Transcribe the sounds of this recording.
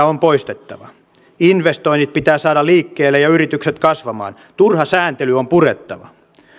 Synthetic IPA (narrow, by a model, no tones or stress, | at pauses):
ompoist̪et̪ːɑʋɑ | inʋest̪o̞init̪̚pit̪æːsɑːdɑliːkːeːlːejɑyrit̪ykset̪kɑsʋɑmɑ̰ːn | t̪urhɑsæːnt̪elyompuret̪ːɑʋɑ̰